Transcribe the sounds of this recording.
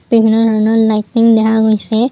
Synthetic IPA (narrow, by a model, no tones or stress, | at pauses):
bibʱinːɔd̪ʱɔɹɔnɔɹlajtniŋd̪ɛkʰaɡojsɛ